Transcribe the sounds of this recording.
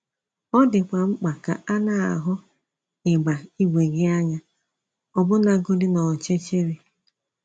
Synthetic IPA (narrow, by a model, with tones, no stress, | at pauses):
ɔ˦dɪ˨kʷa˨ŋ͡m̩˦k͡pa˨ka̰˨a˦na˦a̰˨ɦʊ˦ | ɪ˨ɡ͡ba˨i˦ɡʷe˨ɡɪ˦a˦ɲa˦ | ɔ˨bʊ˦na˨ɡʊ˦dɪ˦nɔ˨t͡ʃe˦t͡ʃe˦ɾi˨